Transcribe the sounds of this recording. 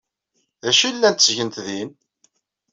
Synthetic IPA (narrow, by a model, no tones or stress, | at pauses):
ðæʃilːænt̪sʝənt̪ðin